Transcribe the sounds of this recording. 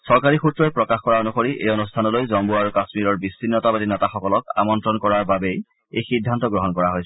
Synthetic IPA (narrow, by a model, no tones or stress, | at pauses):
sɔɹkaɹixutɹɔpɹɔkaxkɔɹaonuxoɹiʔḛjonustʰanɔlojzɔmbuaɹukasmiɹɔɹbisːinːɔtabadinɔtaxɔkɔlɔk̚a̰mɔntɹɔnkɔɹaɹbabej | ḛjxidʱːantɔɡɹɔɦɔnkɔɹaɦojsɛ